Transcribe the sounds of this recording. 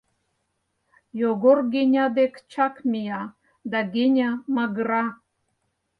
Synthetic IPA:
joɡorɡʲenʲad̪ekt͡ʃʰakmʲija | d̪aɡʲenʲamaɡra

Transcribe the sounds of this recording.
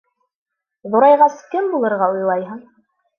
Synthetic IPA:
ðuɾɑjʁɑskɘmbulˠɤ̆ɾʁɑŏjlˠɑjɦɤɴ

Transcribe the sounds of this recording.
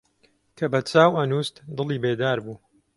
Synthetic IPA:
kʰɐbɐt͡saːwɐnuːst̪d̪ɨlˠiːbeːd̪aːɾbuː

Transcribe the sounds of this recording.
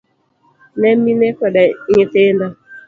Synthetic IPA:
nem̩inekʷɛdɛɲɪtenda

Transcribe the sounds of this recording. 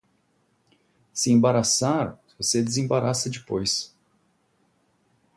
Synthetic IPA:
sɪẽbaɾasaɾ | vosed͡ʒɪzẽbaɾasɐd͡ʒɪpojs

